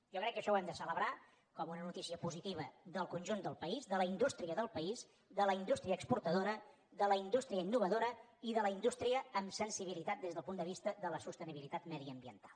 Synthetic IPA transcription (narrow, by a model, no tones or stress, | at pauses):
ʒɔkɾɛkːəʃɔwɛmd̪əsələβɾa | kɔmunənut̪isiəpuzit̪iβəðəlˠkunʲʒund̪əlˠpəizðələind̪ust̪ɾiəðəlˠpəiz | d̪ələind̪ust̪ɾiəːkspuɾt̪əðoɾə | ðələind̪ust̪ɾiəinːuβəðoɾəiðələind̪ust̪ɾiəːmsənsiβ̞ilit̪at̪̚d̪ezðəlˠpund̪əβist̪əðələsust̪əniβilit̪at̪məðiəmbiə̰nt̪ḁlˠ